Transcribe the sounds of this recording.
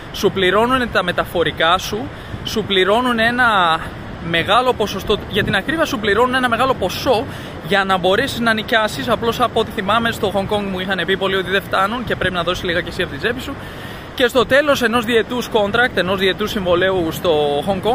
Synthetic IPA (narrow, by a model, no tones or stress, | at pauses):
supliɾo̞nunet̪ɐme̞t̪ɐfo̞ɾikɐsu | supliɾo̞nune̞nɐ | me̞ɣɐlo̞po̞so̞st̪o̞uʝɐt̪inɐkɾivɐsupliɾo̞nune̞nɐme̞ɣɐlo̞po̞so̞ | ʝɐnɐbo̞ɾesiznɐnicɐsisɐplo̞sɐpoot̪iθimɐme̞st̪o̞xo̞ŋɡko̞ŋɡmuixɐne̞pipo̞lio̞t̪iðe̞ft̪ɐnunce̞pɾe̞pinɐðo̞sizliɣɐce̞siɐpot̪ize̞pi̥su | ce̞st̪o̞t̪e̞lo̞se̞no̞zðie̞t̪usko̞nt̪ɾɐk̚t̪e̞no̞zðie̞t̪usiɱvo̞le̞ust̪o̞ɣoŋko̞ŋɡ